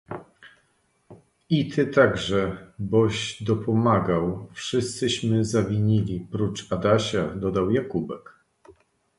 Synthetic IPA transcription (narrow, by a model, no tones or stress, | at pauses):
it̪ʰɘt̪aɡʐɛbɔɕd̪ɔpɔmaɡawfʂɘst̪sɘɕmɘzavʲiɲilʲipɾut͡ʂad̪aɕad̪ɔd̪awjakubɛk